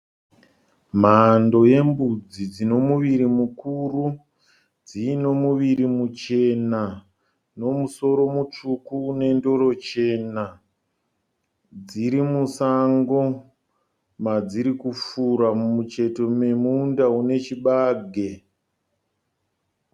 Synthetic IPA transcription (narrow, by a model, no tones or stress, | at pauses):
mando̞je̞mbud͡zid͡zino̞muʋiɾimukuru | d͡zino̞muʋiɾimut͡ʃe̞na | no̞muso̞ɾo̞mut͡ʂukuːne̞ndo̞ɾo̞t͡ʃe̞na | d͡ziɾimusaŋɡo̞ | mad͡ziɾikufuɾamut͡ʃe̞to̞me̞mundaune̞t͡ʃiɓaːɡʱe̞